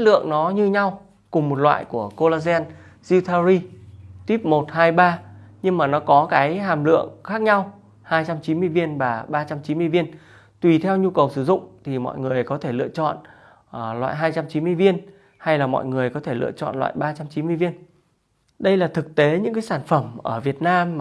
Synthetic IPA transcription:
t̚lɨ̰˧˨əŋnɔ˨˦ɲɨ˧ɲa˧w | kʊ˨˩ŋ͡mmo˨˩t̚lwa̰ː˧˨jku˧˩əko˧laː˧zɛ˧n | zi˧wt̪ʰaː˧zi˧t̪wi˦˥p̚mo˨˩t̚haː˧jɓaː˧ɲɨ˧ŋmaː˨˩nɔ˨˦kɔ˨˦kaː˨˦jɦaː˨˩mlɨ̰˧˨əŋxaː˦˥k̚ɲa˧w | haː˧jt͡ɕa˧mt͡ɕi˨˦nm˧əjvi˧ənvaː˨˩ɓaː˧t͡ɕa˧mt͡ɕi˨˦nmɨ˧jvi˧ən | t̪wi˨˩t̪ʰɛ˧wɲu˧kə˨˩wsɨ˧˩zʊ̰˧˨ŋ͡mt̪ʰi˨˩mɔ̰˧˨jŋɨ˨˩əjkɔ˨˦t̪ʰe˧˩lɨ̰˧ət͡ɕɔ̰˧˨n˨˩ | lwa̰ː˧˨jɦaː˧jt͡ɕa˧mt͡ɕi˨˦nmɨ˧əjvi˧ən | ha˧jlaː˨˩mɔ̰˧˨jŋɨ˨˩əjkɔ˨˦t̪ʰe˧˩lɨ̰˧˨ət͡ɕɔ̰˧˨nlwa̰ː˧˨jɓaː˧t͡ɕa˧mt͡ɕi˨˦nmɨ˧vi˧ən | ɗə˧jlaː˨˩t̪ʰɨ˨˩k̚t̪e˨˦ɲɨ̰˧˥kaː˨˦saː˧˩nfə˧˩mʔəː˧˩vi˨˩ət̚naː˧mː˨

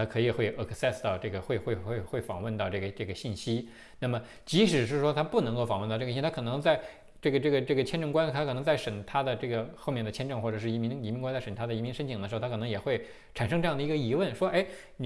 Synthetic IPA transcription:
t̪ʰa˥kʰɤ˧˥i˨˩xwe˥˧ɪʔə˥˧˩kʰsɛ˥˧˩st̪ɑ˥˧ʊʈ͡ʂɤ˥˩ɡə˩xwe˥˧ɪxwe˥˧ɪxwe˥˩ɪxwe˥˩ɪfɑ̰˨˩ŋwə˥˧nt̪ɑ˥˧ʊʈ͡ʂɤ˥˩ɡə˩ʈ͡ʂɤ˥˩ɡə˩ɕi˥˩nɕi˥ | na˥˩mə˩ | t͡ɕi˧˥ʂɻ̩˨˩ʂ̬ɻ̩˥˩ʂwɔ˥t̪ʰa˥pu˥˩nɤ˧˥ŋko˥˩ʊfɑ˨˩ŋwt̪ʈ͡ʂ̪ʰa˥kʰɤ˨˩nɤ˧˥ŋt͡sa˥˧ɪ | ʈ͡ʂɤ˥˩ɡə˩ʈ͡ʂɤ˥˩ɡə˩ʈ͡ʂɤ˥˩ɡə˩t͡ɕʰjɛ˥nʈ͡ʂɤ˥˧ŋkwa˥nʰ˧a˥kʰɤ˨˩n˧˥ŋt͡sa˥˩ɪʂə˨˩ŋt̪ʰa˥d̪ə˨ʈ͡ʂɤ˥˩ɡə˩xo˥˧mʲjɛ˥˩nd̪ə˩t͡ɕʰjɛ˥nʈ͡ʂɤ˥˧ŋxwɔ˥˩ʈ͡ʂɤ˨˩ʂɻ̩˥˩i˧˥mi˧˥ŋ˧˥mi˧˥ŋka˥nt͡sʂə˨˩t̪ʰa˥d̪ə˧i˧˥mi˧˥ŋʂə˥nt͡ɕʰi˨ŋd̪ə˩ʂ̩ʰ˧˥˧kɤ˨˩n˧˥jɛ˨˩xwe˥˩ɪ | ʈ͡ʂʰa˨˩nʂ̬ɤ˥ŋʈ͡ʂɤ˥˧jɑ˥˩d̪ə˩i˧˥ɡə˧i˧˥wə˥˩nʂwɔ˥e˥˩ɪ

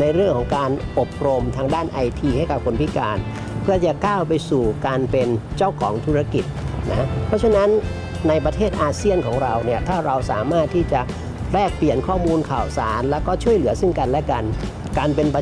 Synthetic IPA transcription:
na˧jɾɯ˥˩əŋkʰɔː˩˦ŋkaː˧nʔo˨˩p̚ɾo˧mt̪ʰaː˧ŋdaː˥˩nʔa˧jt̪ʰiː˧ha˥˩jka˨˩p̚kʰo˧npʰi˦˥kaː˧n | pʰɯ˥˩ɐt͡ɕa˨˩kaː˥˩wpa˧jsuː˨˩kaː˧npe˧nt͡ɕa˥˩wkʰɔː˩˦ŋt̪ʰuː˦˥ɾa˧ki˨˩t̪̚na̰˦˥pʰɾɔ˦˥t͡ɕʰa˧na˦˥nː | a˧jpɾa˧t̪ʰeː˥˩t̪ʔaː˧si˥˩ənkʰɔː˩˦ŋɾa˧wni˥˩ɐt̪ʰaː˥˩ɾa˧wsaː˩˦maː˥˩t̪ʰːiː˥˩t͡ɕa˨˩ʔ | ɾɛː˥˩k̚pli˨˩ənkʰɔː˥˩muː˧nkʰaː˨˩wsaː˩˦nlɛː˦˥wkɔː˥˩t͡ɕʰu˥˩əjlɯ˩˦ɐsi˥˩ŋka˧nlɛ˦˥ka˧n | kaː˧npe˧npa˧

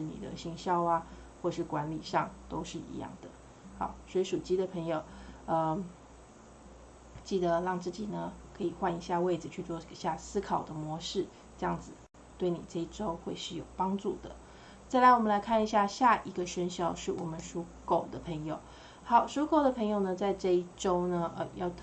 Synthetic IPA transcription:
ʂɻ̩˥˩nḭ˨˩d̪ə̰˦ɕi˧˥ŋɕjɑ˥˧ʊa˦ | xwɔ˥˩˨ʂɻ̩˥˩kwa˧˥nlḭ˨˩ʂɑ˥˩ŋt̪o˥ʊʂɻ̩˥˩ḭ˧˥jɑ̰˥˩ŋd̪ə̰˩ | xɑ˨˩ʊswɔ˧˥i˥ʂu˨˩t͡ɕi˥d̪ə˨pʰɤ˧˥ŋjo˨˩ʊə˧ | t͡ɕi˥˩d̪ə˩ɻɑ˥˧ŋt͡sɹ̩˥˩t͡ɕi˨˩nə˦kʰɤ˧˥i˨˩xwa˥˩ni˧˥ɕja˥˧we˥˩ɪd͡zɹ̩˨˩t͡ɕʰy˥˧t͡swɔ˥˩˦ɕja˥˩sɹ̩˥kʰɑ˨˩ʊd̪ə˦mwɔ˧˥ʂɻ̩˥˩ | ʈ͡ʂɤ˥˧jɑ̰˥˩ŋd͡zɹ̩˨˩ | t̪we˥˩ɪnḭ˨˩ʈ͡ʂɤ˥˧i˥˩ʈ͡ʂo˥ʊxwe˥˧ɪʂɻ̩˥˩jo˨˩ʊpɑ˥ŋʈ͡ʂu˥˩d̪ə̰˩ | t͡sa˥˩ɪla˧˥ɪwɔ˨˩mə˦nla˧˥ɪkʰa˥˩ni˧˥ɕja˥˧ɕja˥˩ʔi˧˥ɡə˧ʂə˥nɕjɑ˥˧ʊʂɻ̩˥˩wɔ˨˩mə˦nʂu˥ | ko˥˩ʊd̪ə˦pʰə˧˥ŋjo˨˩ʊ | xɑ˨˩˦ʊʂu˥ko˥˩ʊd̪ə˩pʰɤ˧˥ŋjo˨˩ʊnə˩t͡sa˥˧ɪʈ͡ʂɤ˥˧i˥˩ʈ͡ʂo˥ʊnə˧ʔə˩jɑ˥˧ʊ

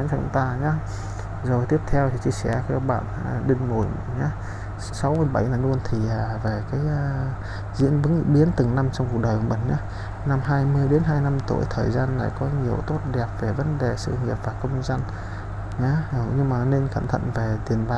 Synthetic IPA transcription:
t͡ɕɔ˧˩ʊ̰˧˥ŋ͡mt̪aː˧ɲa˨˦ | zo˨˩jt̪i˦˥əp̚t̪ʰɛ˧wt̪ʰi˨˩t͡ɕḭ˧əsɛ̰˧˩kɛ˧wɓa̰ː˧˨na˨˩ɗï˧ŋ̟mu˧˩j | ɲa˨˦ | sa˨˦wmɨ˧əjɓa˧˩jnaː˨˩jlənt̪ʰi˨˩ʔaː˨˩ve˨˩kaː˨˦jʔː | zḭ˧˥ənvɨ˨˦ŋɓi˨˦ənt̪ɨ˨˩ŋna˧mt͡ɕɔ˧wŋ͡mku˨˩k̚ɗəː˨˩kːɓḭ˧˩ŋ̟ɲa˨˦ | na˧mɦaː˧jmɨ˧əjɗe˨˦nɦaː˧jna˧mt̪ṵ˧˩˨jt̪ʰəː˨˩jzaː˧nːa̰ː˧˨jkɔ˨˦ɲi˨˩əwt̪o˦˥t̚ɗɛ˨˩p̚ve˨˩və˨˦nɗe˨˩sɨ̰˧˨ŋi˨˩əp̚vaː˨˩kə˧wŋ͡mnza˧ŋ | ɲa˨˦˨ɲɨ˧ŋmaː˨˩ne˧nka̰˧˩mt̪ʰə̰˧˨nve˨˩t̪i˨˩ənɓa˨

